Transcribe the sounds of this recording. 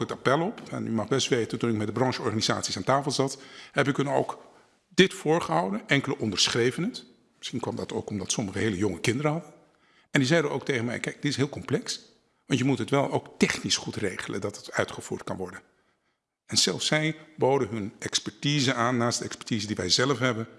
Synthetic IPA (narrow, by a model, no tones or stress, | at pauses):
kətapɛlˠɔpɛ̰nymɑχbɛsʋejtəntunɪkmɛt̚dəbrɑnʒəɔɹχaːniza̰ːtsisaːntaːfəlˠzɑthɛp̬ɪkɦɵno̰wk | dɪtfʊːɹχəɦɑwdənɛŋkələʔɔndəɹsχrejvənət | mɪsχinkʋɑmdɑto̰wkɔmdɑtsɔməχəɦejləjɔŋəkɪndəɾəɦɑdən | ɛndizɛjdəʔowk̚tejχənmɛ̰jkɛjk̚d̥ɪtɪsɦɪːlˠkɔmplɛks | ʋɑntjəmutətʋɛlˠowktɛχnisχutrejχələ̰ndɑtətœ̰ɥtχəv̥uːɹtkɑ̰nʋɔɹdən | ɛnz̥ɛ̰lˠfsːɛjbowdəɦɵnɛkspɛɹtiːzəaːnːaːsd̥əɛkspɛ̥ɹtiːzədiʋɛjzɛləfɦɛbən